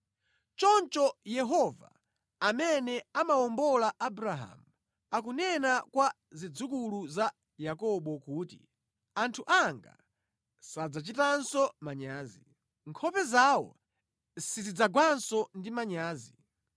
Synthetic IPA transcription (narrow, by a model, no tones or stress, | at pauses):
t͡ʃɔnt͡ʃɔjɛɦɔva̰ | amɛnɛamawɔmbɔlaʔabuɾaɦa̰mu | ak̬unɛnakwa | zid͡zukuluza | jakɔɓɔkuːti | antʰuʔaŋɡa̰ | sad͡zat͡ʃitansɔmaɲaːzi | ŋkʰɔpɛzawɔ̰ | sizid͡zaɡwansɔndimaɲaːzi